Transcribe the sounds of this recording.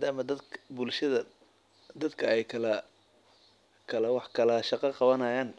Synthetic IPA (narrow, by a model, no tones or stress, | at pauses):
aːd̪aːmɐd̪ɐbʊlʃɐðɐ | d̪ɐd̪kʰɐɛjkʰɐlɐ | kʰɐlɛwɑħkʰɐlɐʃɑqɑqɑβɐnɐjaːn